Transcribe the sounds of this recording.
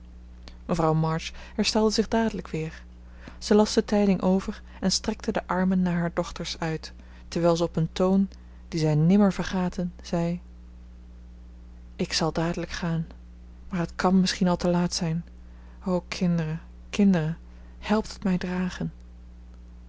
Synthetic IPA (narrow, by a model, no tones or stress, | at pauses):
məvrɑwmɑɹt͡ʃhɛɹstɛlˠdəzɪχdaːdələkʋɪːɹ | z̥əlɑsd̥ətɛjdɪŋʔowvəɹ | ɛnstrɛk̚tədəʔɑɹmənːaːɹɦaːɹdɔχtəɹsœɥtː | ɛɹʋɛjlˠzəɔpəntown | d̥izɛjnɪməɹvəɹχaːtʰənz̥ɛj | ɪksɑlˠdaːdələkχaːn | maːɹɦətkɑnmɪsχinɑlˠtəlaːtsɛjn | owkʰɪndərə | kɪndərə | hɛlˠp̚tə̥tmɛjdraːχən